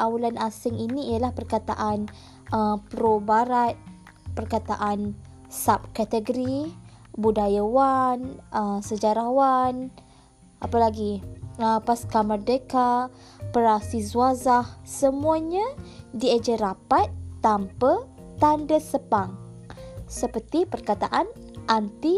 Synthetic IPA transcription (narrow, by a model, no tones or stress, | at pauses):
ʔawalanasɪŋiniijalahpərkat̪a̰ʔan | əpɾobaɾat̪̚ | pərkat̪aʔan | sap̚kat̪əɡɾibudajawanəmsəd͡ʒaɾawan | ʔapəlaɡiəpaskamərdəka | pəɾasizuazahsəmuaɲə̃died͡ʒəɾapat̪ːampə | t̪andəsəpaŋ | səpərt̪ipərkat̪aʔan | ʔant̪i